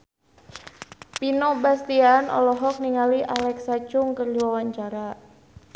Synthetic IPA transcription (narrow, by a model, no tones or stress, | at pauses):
pinɔbast̪ianɔ̰lɔɦɔk̚niŋaliʔalɛksat͡ʃʊŋkərliwawaɲt͡ʃaɾa